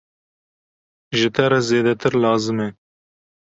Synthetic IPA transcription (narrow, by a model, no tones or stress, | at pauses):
ʒɪt̪ɐɾɐzeːd̪ɐt̪ɪɾlɑːzɪme